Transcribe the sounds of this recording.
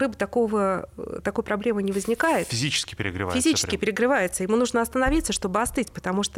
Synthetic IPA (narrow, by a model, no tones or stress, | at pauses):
ɨbɨt̪ɐkovət̪ɐko̞jpɾɐblʲe̞mɨnʲɪvəzʲnʲɪkajɪt̪fʲɪzʲit͡ɕɪ̥skʲɪ̥pʲɪɾʲɪ̰ɡɾɪ̰fʲɪzʲit͡ɕɪskʲɪpɪɾʲɪɡɾɨvajɪt̪səjɪmunuʐnəɐst̪ənɐvʲit̪səʂt̪o̞bɨɐst̪ɨtʲpə̥t̪ɐmuʂt̪ə